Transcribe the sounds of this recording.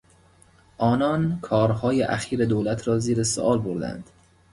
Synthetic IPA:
ʔɒːnɒːnkʰɒːɾhɒːjeʔæxiːɾed̪oːlæt̪ʰɾɒːziːɾeso̰ʔɒːlboɾd̪æ̰nd̪̥

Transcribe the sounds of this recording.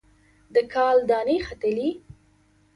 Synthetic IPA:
d̪əkʰɑld̪ɑnexat̪əli

